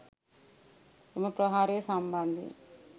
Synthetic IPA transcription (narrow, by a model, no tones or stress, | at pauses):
imɐpɾɐɦaːɾeːsɐmbɐnd̪ʱḭ